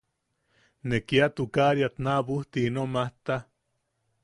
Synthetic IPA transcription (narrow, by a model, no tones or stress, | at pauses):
nekiat̪ukaɾjat̪naβuht̪iinomaht̪a